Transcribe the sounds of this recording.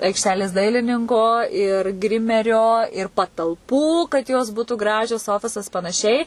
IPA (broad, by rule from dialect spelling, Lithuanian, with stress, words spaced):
ɐɪkʃʲˈtʲæːlʲeːs ˈdɐɪlʲɪnʲɪŋkoː ɪr ˈɡrʲɪmʲɛrʲoː ɪr pɐtɐlˠˈpuː kɐt ˈjoːs ˈbuːtʊ ˈɡrɑːʒʲoːs ˈoːfʲɪsɐs pɐnɐˈʃʲɛɪ